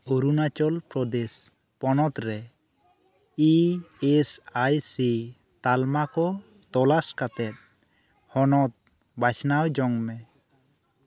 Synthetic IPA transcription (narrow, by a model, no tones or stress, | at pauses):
oɾunat͡ʃɔlpɾɔd̪es | pɔnɔt̪ɾɛ | iesajsi | t̪almakɔ | t̪ɔlaskat̪ɛt̪̚ | hɔnɔt̪̚ | bat͡ʃnawd͡ʒɔŋmɛ